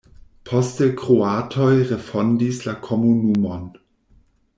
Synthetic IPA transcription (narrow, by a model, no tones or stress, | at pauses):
pʰɔstɛkʁ̥oaːtʰɔjʁɛfɔndislakʰɔmunumɔn